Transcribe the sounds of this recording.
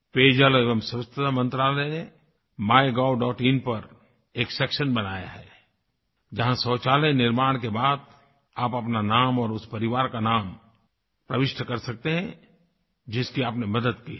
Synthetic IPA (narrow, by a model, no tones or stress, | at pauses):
peːd͡ʒəleːʋəmsst̪ʰɪt̪ʰamɐ̃nt̪ɾaːləne | maːjɡaːwɖɔːʈĩnpɐɾ | eːksɛkʃənbɐnaːja̰ɦɛː | d͡ʒɐɦãsɔːt͡ʃaːlənɪɾmaːɽ̃kebaːd̪̚ | aːpɐpnanaːmɔːɾʊspɐɾɪʋaːɾkanaːm | pɾɐʋɪʃʈʰkɐɾsɐk̚t̪eɦɛ̃ | d͡ʒɪskiaːpnemɐd̪əd̪ki